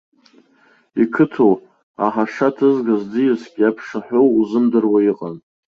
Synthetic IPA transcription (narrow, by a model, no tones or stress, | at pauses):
ikʰɨtʰow | a̰ħaʂatʰɨzɡazd͡zɨjɪskʲʼjapʰʂaħʷᶣowuzɨmdɨrwaiqʼan